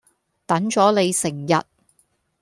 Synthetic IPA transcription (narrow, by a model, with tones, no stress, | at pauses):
t̪ɐ˨˥nt͡ʃɔː˨˥le˨˧jsɪ˨˩ŋjɐ˨t̚